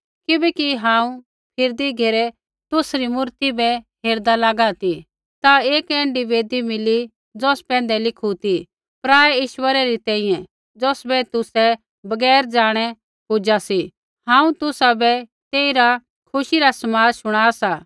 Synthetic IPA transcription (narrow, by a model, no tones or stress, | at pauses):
kɪbɛkiɦãːũ | pʰɪɾd̪iɡʱeːɾɛ | t̪ʊsɾimʊɾt̪ibɛɦeːɾd̪alaːɡat̪i | t̪aeːkɛ̃ːɳɖiʋeːd̪imɪli | d͡zɔːspɛ̃ːnd̪ɛlɪkʰut̪i | pɾaːɛiːʃwəɾaɾit̪ɛ̃ːĩːjɛ̃ | d͡zɔːsbɛt̪ʊsɛ | bɐɡɛːɾd͡ʒaːɽ̃ɛ | pʊd͡ʒasi | ɦãːũt̪ʊsabɛt̪eːiɾa | kʰʊʃiɾasɐmaːɾʃʊɽ̃aːsa